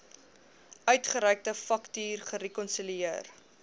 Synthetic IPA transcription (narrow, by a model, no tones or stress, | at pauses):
œɥtχəɾɛjk̚təfɐktyːrχəɾekɔnsilier